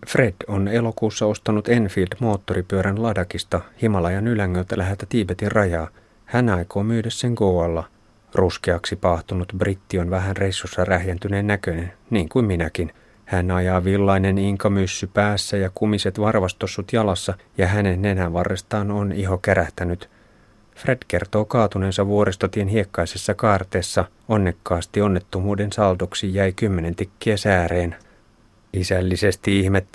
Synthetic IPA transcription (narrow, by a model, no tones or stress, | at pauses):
fre̞d̥one̞lo̞kuːsːɑo̞st̪ɑnut̪e̞nfild̥mo̞ːt̪ːoɾipyøɾænlɑdɑkist̪ɑhimɑlɑjɑnylæŋːølt̪ælæɦelt̪æt̪iːbet̪irrɑjɑː | hænɑiko̞ːmyːdæsːeŋkowɑlːɑ | ruskeɑksipɑːht̪unut̪brit̪ːionʋæɦænrejsːusːɑræhjænt̪yneːnːækønenniːŋkuimminækin | hænɑjɑːʋilːɑineniŋkɑmysːypæːsːæjɑkumiset̪ʋɑrʋɑst̪osːut̪jɑlɑsːɑ | jɑɦænenːenhæʋʋɑrːest̪ɑːnoniɦokeɾæht̪ænyt̪ | fred̥ke̞rt̪o̞ːkɑːt̪uneːnsɑʋuoɾest̪ɑt̪ienhiekːɑisesːɑkɑːrt̪eːsːɑ | onːe̞kːɑːst̪ionːet̪ːumuːdensɑlt̪oksijæjkymːenent̪ikːiæsæːɾeːn | isælːisest̪iihmet̪ː